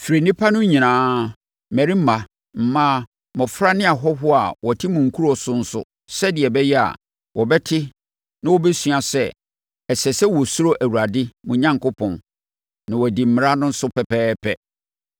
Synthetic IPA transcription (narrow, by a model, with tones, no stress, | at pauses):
fɾe˨nĩ˦pʰa˦nʊ̃˦ɲĩ˨nãː˨˦ | mæ˨ɾi˦m̩˦mã˨ | m̩˨mãː˦ | mɔ̃˨fɾa˦nɪ̃˦a˨ɦɔ˦ɦʊ˦a˨wɔ˨tʰɪ˦mũ˨ŋ̩˨kʰu˦ɾɔ˨sʊ˦n̩˦sʊ̰˦˨ | sɛ˦dɪ˨ɛ˨bɛ˦jɛ˦a̰˨ | wʔɔ˨bɛ˦tʰɪ˦ | nã˦wɔ˦bɛ˦sɥa˨sɛ˦ | ɛ˨sɛ˨sɛ˦wɔ˨su˦ɾo˦ʔæ˨wu˨ɾa˨dɪ˦mũ˨ɲã˦ŋkʰʊ˦pʰɔ̃˨nː | nã˨wɔ˨di˨m̩˨mɪ̃˨˦a˦nʊ̃˦n̩˦sʊ˦pʰɛ˨pʰɛː˦pʰɛ˦